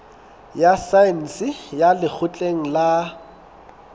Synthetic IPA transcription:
jasaɛn̩sɪjalɪk͡xʰʊt͡ɬʼeŋ̩la

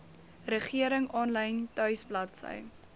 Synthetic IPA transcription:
rəχiəɾəŋɑːnlɛjntœɥsblɐtsə̰j

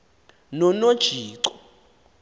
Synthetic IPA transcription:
nɔnod̥ʒ̥ʱiːǀɔ̥

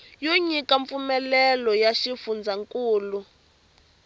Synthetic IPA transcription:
joɲikaɱp̪fumɛlɛlɔjaʃifund͡zʱaŋkʼuːlu

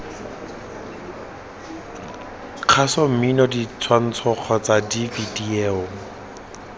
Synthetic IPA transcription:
q͡χʰasɔm̩minɔdit͡sʰwan̩t͡sʰɔq͡χʰɔt͡sadifidieːʊ

